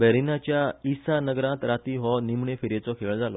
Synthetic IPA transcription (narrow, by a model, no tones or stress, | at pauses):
bɛɾinat͡ɕjaisanəɡɾãt̪ɾat̪iɦɔnimɳefiɾet͡sɔkʰeɭd͡zʱalɔ